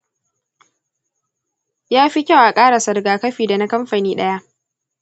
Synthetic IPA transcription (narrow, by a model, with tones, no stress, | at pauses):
jaː˦ɸi˦kʲa˦˨wʔa˨kʼaː˦ɽa˨sɐ˨rɡaː˨kɐ˦ɸiː˨da˨na˦kɐ˦mɸa˨niː˦ɗɐ˦ja˦ʔ